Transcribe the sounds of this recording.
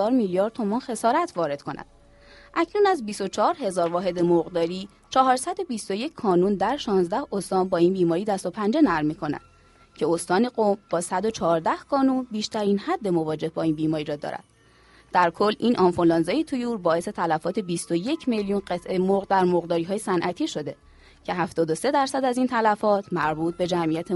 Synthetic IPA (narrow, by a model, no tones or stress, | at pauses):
eɒːɾmiljɒːɾd̪̚t̪ʰomɑːnxe̞sɒːɾæt̪ʰvɒːɾe̞d̪̥kʰo̞næ̰d̪̥ | ʔæcʰnuːnæzbist̪o̞t͡ʃʰɒhɒːɾhe̞zɒːɾvɒːɦe̞d̪emoʁd̪ɒːɾiː | t͡ʃʰɒɦɒːɾsæd̪obist̪o̞je̞ckʰɒːnund̪æɾʃɒːnzd̪æho̞st̪ɒːnbɒːiːnbiːmɒːɾiːd̪æst̪o̞pʰænd͡ʒe̞næʁɾmːiːkʰo̞næ̰d̪̥ | cʰeost̪ɒːneɢombɒːsæd̪o̞t͡ʃʰɒːɾd̪æhkʰɒːnunbiːʃt̪æɾiːnhæd̪ːe̞mo̞vɒːd͡ʒe̞hbɒːiːnbiːmɒːɾiːɾɒːd̪ɒ̰ːɾæ̰d̪̥ | d̪æɾkʰo̞lːʔiːnʔɒnfolɒːnzɒjet̪ʰujuːɾbɒːe̞se̞t̪ʰælæfɒːt̪ʰe̞bist̪oje̞cʰme̞ljunɢet̪ʰʔe̞moɣd̪æɾmoɣd̪ɒːɾiːɦɒːjesænʔæt̪ʰiːʃo̞d̪e̞ | cʰe̞ɦæft̪ɒːd̪ose̞d̪æɾsæd̪æziːnt̪ʰælæfɒːt̪ʰmæɾbuːt̪̚be̞d͡ʒæmʔijæt̪ʰe